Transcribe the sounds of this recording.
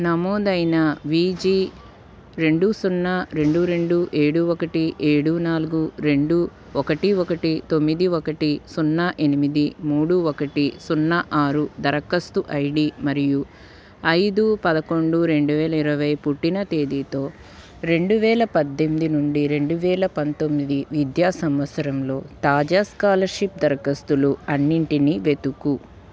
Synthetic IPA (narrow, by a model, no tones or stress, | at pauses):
nɐmoːd̪ɐjnɐʋiːd͡ʒiː | ɾe̞ɳɖusunːaɾe̞ɳɖuɾe̞ɳɖuʔeːɽuɔkɐʈiʔeːɽunaːluɡuɾe̞ɳɖu | ɔkɐʈiɔkɐʈit̪o̞mːid̪iɔkɐʈisunːɐʔe̞nimid̪imuːɽuɔkɐʈisunːɐʔaːɾud̪ɐɾɐkɐst̪uʔɐjɽimɐɾiju | ɐjd̪upɐd̪ɐko̞ɳɖuɾe̞ɳɖuʋɛːlɐiɾɐʋɐjpuʈːinɐt̪e̞ːd̪iːt̪o̞ː | ɾe̞ɳɖuʋɛːlɐpɐd̪ːemid̪inuɳɖiɾe̞ɳɖuʋɛːlɐpɐnt̪o̞mːid̪iʋid̪jaːsɐmʋɐt̪sɐɾɐmlo̞ːt̪aːd͡ʒaːskaːlɐʃip̚d̪ɐɾɐkɐst̪uluɐnːiɳʈiniʋe̞t̪uku